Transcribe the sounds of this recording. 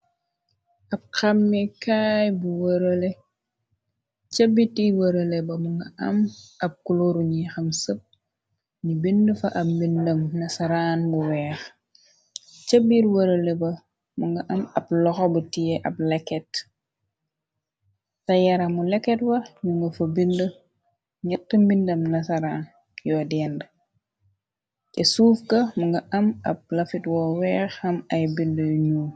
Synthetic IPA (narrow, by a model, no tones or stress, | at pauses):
ʔɐp̚xɐmːikaːjbuwəɾɐle | t͡ʃɐbːitiwəɾəlɛbɐmuŋɡɐʔɐmʔɐp̚kuloɾuɲixɐmsəp̚ | ɲibindəfɐʔɐp̚mindɐmnɐsɐɾaːnbuwɛːx | t͡ʃɐbiɾwəɾəlɛbɐ | muŋɡɐʔɐmɐplɔxɔbutiɛʔɐp̚lɛkːɛt | tɐjɐɾɐmulɛkːɛtwɐmuŋɡɐfɐbində | ɲɛtːəmbindɐmnɐsɐɾaːn | jɔːdɛːndə | kɛsuːfkɐmuŋɡɐʔɐmɐp̚lɐfitwɔːwɛːxɐmɐjbindəjuɲu